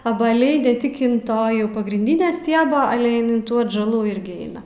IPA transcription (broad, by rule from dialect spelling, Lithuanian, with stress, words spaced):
ɐbɐˈlʲɛɪ nʲɛ ˈtʲɪk ɪn ˈtoː jɛʊ pɐɡrʲɪnʲˈdʲɪnʲɛ ˈsʲtʲiɛbɐ ˈɑːlʲɛ ˈɪn ɪn tuː ɐdʒɐˈlˠuː ˈɪrʲɡʲɪ ˈɛɪnɐ